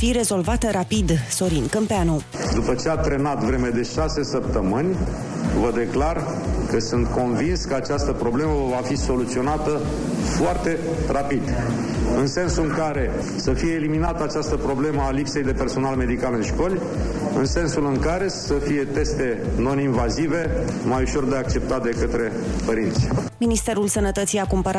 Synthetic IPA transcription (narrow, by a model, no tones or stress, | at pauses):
fiɾe̞zo̞lvat̪əɾapid̪so̞ɾinkəmpeano | d̪upət͡ʃeat̪ɾe̞nat̪vɾe̞med̪e̞ʃase̞səp̚t̪əmɨnʲ | vəd̪e̞klar | kəsɨnt̪ko̞nvinskəat͡ʃast̪əpɾo̞ble̞məvafiso̞lut̪sio̞nat̪ə | foart̪e̞ | rapid̪ | ɨnse̞nsuɨŋkaɾe̞ | səfije̞ːliminat̪əat͡ʃast̪əpɾo̞ble̞məalipse̞jd̪e̞pe̞rso̞nalme̞d̪ikalɨnʃko̞lʲ | ɨnse̞nsulɨŋkaɾe̞səfije̞t̪e̞st̪e̞no̞ninvazive̞ | majuʃo̞rd̪eak̚t͡ʃe̞p̚t̪ad̪e̞kət̪ɾe̞ | pəɾint̪sʲ | minist̪e̞ɾulsənət̪ət̪sijakumpəɾa